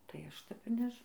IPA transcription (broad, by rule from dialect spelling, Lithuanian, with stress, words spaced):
tɐɪ ˈɐʃ ˈtʲɛp ɪr ˈnʲɛʃ